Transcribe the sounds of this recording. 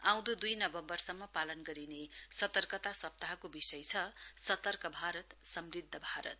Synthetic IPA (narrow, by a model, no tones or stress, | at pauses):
ãw̃d̪ud̪ujnʌbʌmbʌrsʌmːʌpalʌnɡʌɾinesʌt̪ʌrkʌt̪asʌp̚t̪aɦʌkobisʌjt͡sʰʌsʌt̪ʌrkʌbʱaɾʌt̪sʌmrid̪ʱːʌbʱaɾʌ̰t̪̚